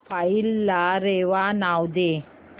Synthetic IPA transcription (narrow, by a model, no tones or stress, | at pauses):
pajilːaːɾeʋanawd̪e